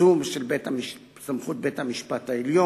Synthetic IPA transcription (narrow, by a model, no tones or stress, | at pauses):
umʃelbetamiʃ | samχut̚be̞thamiʃpataeljo